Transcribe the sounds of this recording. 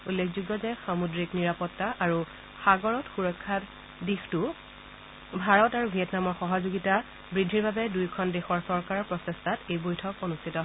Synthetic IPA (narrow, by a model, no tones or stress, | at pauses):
ulːekʰzuɡːɔzɛxamudɹikniɹapɔtːaʔaɹu | xaɡɔɹɔtxuɹɔkʰːat | dixtu | bʱaɹɔtaɹubʱiɛtnamɔxɔɦɔzoɡita | bɹidʱːiɹbabɛdujkʰɔndexɔɹsɔɹkaɹɔpɹɔsestʰatejbojtʰɔkonustʰitɔ